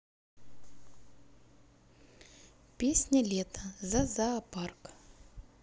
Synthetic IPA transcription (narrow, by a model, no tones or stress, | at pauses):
pʲesʲnʲɐlʲɛt̪ʰɐzɐzɐːpark